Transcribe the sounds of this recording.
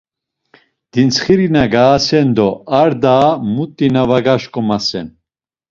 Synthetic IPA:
d̪̥int͡sʰχiɾinaɡaːsɛnd̪ɔaɾd̪aːmut̪ʼːinavaɡaʃkʼɔmasɛn

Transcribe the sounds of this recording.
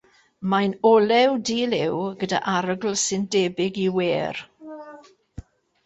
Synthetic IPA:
majnɔlɛwdiːlɪwɡəda̰ʔaɾəɡl̩ˠsɪndɛːbɪɡiweːr

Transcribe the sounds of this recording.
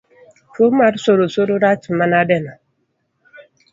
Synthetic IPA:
fomaɾsoɾosoɾoɾat͡ʃimanadɛna

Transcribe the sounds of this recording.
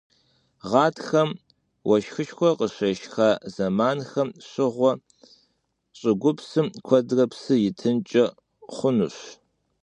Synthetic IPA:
ʁɑːtʰxɐm | wɐʃxɨʃxʷɔqəɕʷɐʃxazɐmaːnxɐmɕɪʁʷɔ | ɕʼɪɡʷʊpsɨmkʷʰɔdrɐpsɨjɪtʰɨnt͡ʃʼɐ | χʷʊnuɕ

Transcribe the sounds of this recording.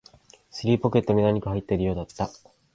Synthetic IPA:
sɨɾʲiːpo̞kʲe̞t̪ːomed̪aɲ̟ikɯ̟ɦait̪ːeɾɯ̟jo̞ːd̪at̪ːa

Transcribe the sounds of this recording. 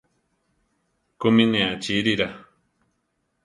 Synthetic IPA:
kumĩnẽat͡ʃiɾiɾa

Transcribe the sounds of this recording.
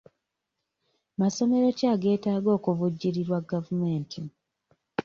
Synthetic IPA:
maso̞me̞ɾo̞caːɡe̞ːtaːɡo̞ːkuvuɟːiɾiɾwaɡːavume̞ːntʰi

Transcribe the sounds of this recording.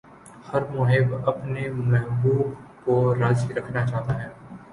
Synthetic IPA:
hɐɾmʊɦɪbɐpnemɛɦbuːbkoɾaːd͡ʒiɾɐkʰnat͡ʃaːt̪aɦɛː

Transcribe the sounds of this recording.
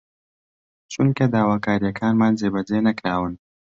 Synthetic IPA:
t͡ʃuŋkɐd̪aːwaːkaːɾijɐkʰaːnmaːnzeːbɐd͡ʒeːnɐkɾaːwɨn

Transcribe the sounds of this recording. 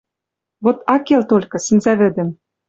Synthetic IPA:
βot̪ɑkelt̪olʲkɤ̆sɘ̆mzæβɘ̆d̪ɘ̆m

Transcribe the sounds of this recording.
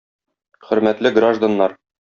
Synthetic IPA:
χɵ̆ɾmæt̪lɘɡraʒd̪anːɑɾ

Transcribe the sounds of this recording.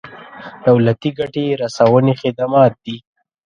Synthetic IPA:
d̪̥awlat̪iɡaʈeɾasawənexɪd̪amɑːt̪̚d̪i

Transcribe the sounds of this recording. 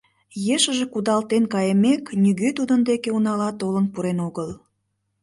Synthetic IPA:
jeʃəʒe̽kud̪ɑlt̪enkɑjəmeknyɣøt̪ud̪ənd̪ekeunɑlɑt̪olənpuɾenoɣəl

